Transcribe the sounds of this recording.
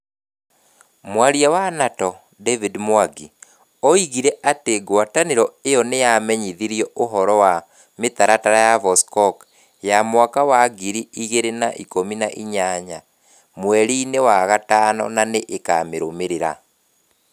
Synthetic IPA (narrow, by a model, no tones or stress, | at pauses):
mwaɾiawanatɔ | dɛvidmwaɡi | ɔiɣiɾɛʔateɡwataneɾɔejɔnejamɛɲiðiɾiɔoɦɔɾɔwa | met̪aɾataɾajavɔskɔk | jamwakawaɡiɾiiɣeɾenaʔikominaʔiɲaɲa | mwɛɾiːnewaɣataːnɔ̰naneʔeka̰ːmeɾomeɾeɾa̰